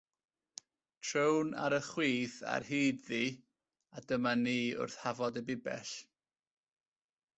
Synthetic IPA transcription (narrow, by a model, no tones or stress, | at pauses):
tʰrəwna̰ɾəχwiːθa̰rhiːdði | adəmaniːʊ̰rθhavɔdəbɪbɛ̰ɬ